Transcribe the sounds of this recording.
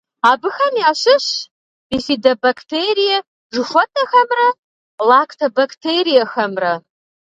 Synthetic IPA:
aːbɨxɐmjaːɕɪɕ | bifidɐbakʰtʰeɾijɛ | ʒʷɨʂʷɔtʰʼɐxɐmrɐ | lakʰtʰɐbaktʰeɾijɐxɐmrɐ

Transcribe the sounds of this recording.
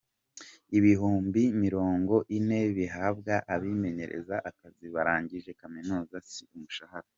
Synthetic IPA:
iβiɦuːmbimiɾo̞ːŋɡo̞ʔine̞βiɦaːb̚ɡaʔaβime̞ɲe̞ɾe̞̰zaʔakaziβaɾaːɲɟiʒe̞kaminuːzasiumuʃahaɾa

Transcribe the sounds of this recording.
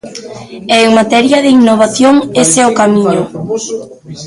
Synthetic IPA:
ɛeŋmat̪ɛɾjaðeiŋnoβ̞aθjoŋesɛokamĩɲʊ

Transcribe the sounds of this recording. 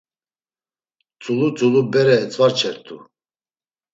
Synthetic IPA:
t͡sʰʼulut͡sʼulubɛɾɛt͡sʼvaɾt͡ʃʰɛɾt̪ʰṵ

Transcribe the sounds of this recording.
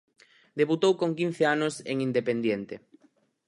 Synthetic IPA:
d̪eβut̪owkoŋkin̟θeanʊsḛŋind̪epend̪jent̪e

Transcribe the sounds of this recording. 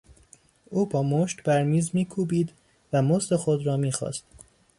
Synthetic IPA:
ʔuːbɒːmoʃt̪bæɾmiːzmiːkʰuːbiːd̪ | væmost̪exod̪ɾɒːmiːxɒ̰ːst̪

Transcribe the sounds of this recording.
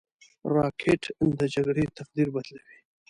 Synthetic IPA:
ɾɑkʰeʈʰnd̪əd͡ʒaɡɽet̪aqd̪iɾbad̪lawi

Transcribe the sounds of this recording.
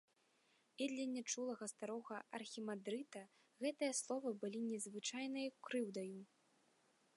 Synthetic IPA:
id̪lʲɐnʲːat͡ʂulˠɐɣɐst̪aɾɔɣɐɐ̰rxʲimad̪ɾɨt̪ɐ | ɣɛt̪ɨjɐslˠɔvɐbɨlʲinʲɛzvɨt͡ʂajnɨjɐkɾɨwd̪ɐju

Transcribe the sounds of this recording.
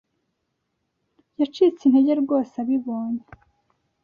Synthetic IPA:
jat͡ʃit͡sin̥heɟe̞ɾɡo̞ːsaβiβoːɲe

